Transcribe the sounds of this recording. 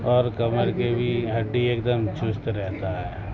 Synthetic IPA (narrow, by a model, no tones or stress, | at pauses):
ɔːɾkɐməɾkebʱiɦɐɖːieːk̚d̪əmt͡ʃʊst̪ɾɛɦt̪aɦɛː